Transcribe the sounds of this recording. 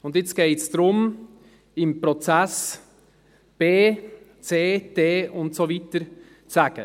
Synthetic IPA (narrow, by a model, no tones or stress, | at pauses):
ʊndjɛt͡sɡ̥eɪtsd̥ɾʊm | ɪmpɾɔt͡sɛs | b̥eː | t͡seːd̥eːʔʊntsoviːtəɾ | t͡saɡ̥ə